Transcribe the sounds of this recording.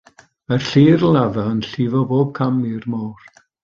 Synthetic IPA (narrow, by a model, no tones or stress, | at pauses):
mar̥ɬiːrlˠaðaənɬiːvɔboːb̚kʰamɪrmɔwr